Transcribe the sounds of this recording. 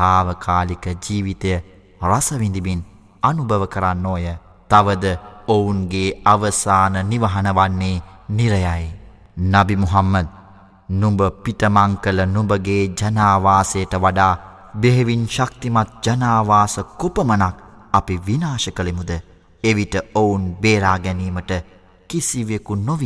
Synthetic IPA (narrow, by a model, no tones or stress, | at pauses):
aːʋəkʰaːlikəd͡ʒiːʋit̪ɐjə | rasəʋind̪iʋin | anubʱəʋəkəɾanːoːjə | t̪aʋəd̪əounɡeːaʋəsaːnəniʋɐɦɐnəʋanːeːniɾəjaj | nabimuɦamːɐd̪̚ | numbəpiʈəmaŋkələnumbəɡeːd͡ʒɐnaːʋaːsejəʈəʋaɖaː | beɦeʋinʃak̚t̪imat̪̚d͡ʒɐnaːʋaːsəkopəmənak̚apiʋinaːʃəkəlemud̪ə | eʋiʈəounbeːɾaːɡɛniːməʈə | kisiʋekunoʋi